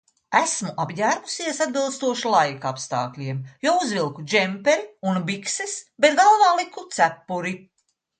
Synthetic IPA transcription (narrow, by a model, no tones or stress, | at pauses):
æsmuʔabjæːɾɡusiɛsad̪bilˠst̪uɔʃulˠajkapst̪ɑ̰ːklʲiɛmjouzvilˠkud͡ʒɛmpeɾiunbiksɛsbet̪ɡalˠvɑːlˠikut̪sæpːuɾi